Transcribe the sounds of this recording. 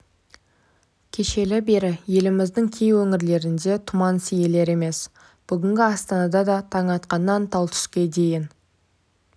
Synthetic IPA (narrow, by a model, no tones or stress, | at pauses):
kʲʰe̞ʃe̞lɪbe̞ɾɪje̞lɪmɪzd̪ɪŋkʲʰejwɵŋɪɾle̞ɾɪnd̪e̞t̪ʰʊmɑnsije̞le̞ɾe̞me̞s | b̥ʏɡʲɪŋɡʲɪɑst̪ɑnɑd̪ɑd̪ɑt̪ʰɑŋɑt̪qɑnːɑnt̪ʰɑlˠt̪ʰʏ̥ʃkʲe̞d̪e̞jɪn